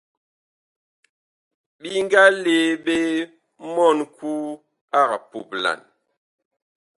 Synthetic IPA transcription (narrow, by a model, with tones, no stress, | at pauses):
bi˦ŋ˦ɡa˦le˨be˦ | mɔ˦˨nkʰu˦ | a˦˨ka˨pu˨p̚la̰˨n